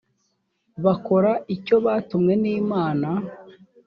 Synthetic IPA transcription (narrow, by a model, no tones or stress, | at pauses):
βako̞ɾaico̞βaːtumŋe̞niːmaːna